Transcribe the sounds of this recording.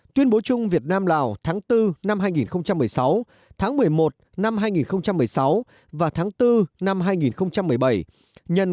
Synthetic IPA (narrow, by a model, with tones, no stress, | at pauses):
t̪wi˧ənɓo˨˦t͡ɕʊ˧ŋ͡mvi˨˩ət̚naː˧mlaː˨˩wt̪ʰaː˨˦ŋt̪ɨ˧na˧mɦaː˧jŋi˨˩nxə˧wŋ͡mt͡ɕa˧mːɨ˨˩əjsa˨˦w | t̪ʰaː˨˦ŋmɨ˨˩əjmo˨˩t̚na˧mɦaː˧jŋi˨˩nxə˧wŋ͡mt͡ɕa˧mːɨ˨˩əjsa˨˦w | vaː˨˩t̪ʰaː˨˦ŋt̪ɨ˧na˧mɦaː˧jŋi˨˩nxə˧wŋ͡mt͡ɕa˧mːɨ˨˩əjɓə˧˩j | ɲə̰˨˩n